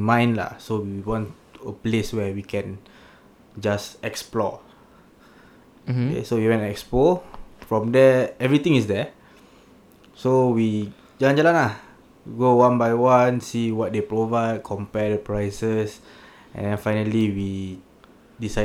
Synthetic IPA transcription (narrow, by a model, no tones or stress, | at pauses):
mãj̃nla̰sowiwɔ̃nt | əpleswɛwikʰɛ̃n | d͡ʒasɛksplɔ̰ | kɛ̰sowiwɛ̃nɛkspɔfɹɔ̃mdɛɛvɹit̪ĩŋisdɛ | sowi | d͡ʒalãnd͡ʒalãnlah | ɡowãnbajwãnsiwɔt̚depɹovaɪd̚kʰɔ̃mpɛdəpɹajsəs | ʔɛ̰̃ndɛ̃nfajnəliwi | disa